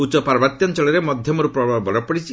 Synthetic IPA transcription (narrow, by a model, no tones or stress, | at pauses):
ut͡ʃɔpaɾbat̪jɔnt͡ʃɔɭɔɾemɔd̪ʱjɔmɔɾupɾɔbʱabɔɽɔpɔɽit͡ʃʰi